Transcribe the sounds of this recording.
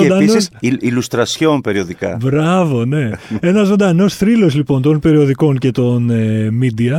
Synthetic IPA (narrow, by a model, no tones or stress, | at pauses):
od̪ɐnosilust̪ɾɐsçonpeɾioðikɐ̰bɾɐvo̞ne̞e̞nɐzzːo̞nd̪ɐno̞sθɾilo̞slipo̞nt̪o̞npe̞ɾio̞ðiko̞ŋce̞t̪o̞nmid̪iɐ